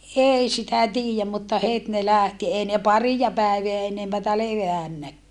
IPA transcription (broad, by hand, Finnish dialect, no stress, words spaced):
ʔei sitæ tiːjæm mutːɑ het ne læˑhti ei ne pɑrijɑ pæˑeʋeæ enempætæ leʋæˑnːækːæː